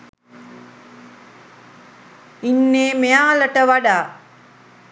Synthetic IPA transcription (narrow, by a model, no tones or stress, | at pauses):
inːeːmejaːləʈəʋaɖaː